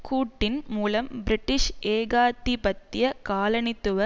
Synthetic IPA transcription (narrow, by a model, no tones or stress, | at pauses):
kuːʈːɪnmuːlɐmbɪɾɪʈːɪʂʔeːɣaːt̪ːibɐt̪ːɪjɐkaːlɐnɪt̪ːɯʋɐ